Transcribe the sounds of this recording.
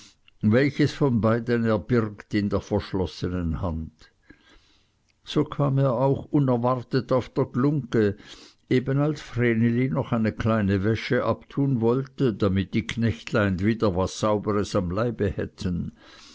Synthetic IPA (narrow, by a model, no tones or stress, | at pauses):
vɛlçəsfɔnbaɪdənɛɐbɪʁktɪndeːɐfɛɐʃlɔsənənhand | soːkʰaːmeːɐaʊxʊnɛɐvaʁtətaʊfd̥eːɐɡlʊŋkə | eːbənalsfʁ̥eːnelinɔχaɪnəkʰlaɪnəvɛʃəʔaptʰuːnvɔltədamɪt̚d̥iːkʰnɛçtlaɪnviːdɐvasːaʊbəʁəsamlaɪbəhɛtʰən